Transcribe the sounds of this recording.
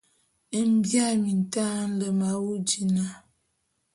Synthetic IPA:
ə˦m˦bja˦mi˨n˨ta˦n̩˦lə˨ma˨wu˦d͡ʒi˨na˨

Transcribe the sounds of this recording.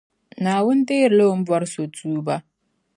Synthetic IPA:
naː˨wʊ˦nte˦jɾlo˦wʊ˦m˦ba˦ɾso˨tuː˦ba˦

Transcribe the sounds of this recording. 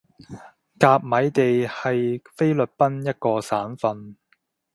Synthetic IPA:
kaː˧p̚mɐ˨˥jt̪e˨jhɐ˨jfe˥jlɵ˨t̚pɐ˥njɐ˥t̚kɔː˧saː˨˥nfɐ˧n

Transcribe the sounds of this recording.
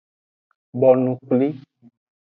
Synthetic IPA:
bɔ˨nũ˨k͡pli˦

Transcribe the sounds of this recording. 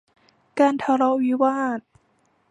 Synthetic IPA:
kaː˧nt̪ʰa˧˩ɾɔ˦˧˥wi˦˥waː˥˩t̪̚

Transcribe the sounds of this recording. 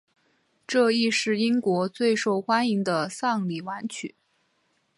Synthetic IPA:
ʈ͡ʂɤ˥˧i˥˧ʂɻ̩˥˩i˥ŋkwɔ˧˥t͡swe˥˧ɪʂo˥˩ʊxwa˥ni˧˥ŋd̪ə˧sɑ˥˩ŋli˨˩wa˧˥nt͡ɕʰy̰˨˩˦

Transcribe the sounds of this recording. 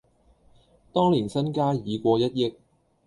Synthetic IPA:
t̪ɔː˥ŋliː˨˩nsɐ˥nkaː˥jiː˨˧kʷɔː˧jɐ˥t̚jɪ˥k̚

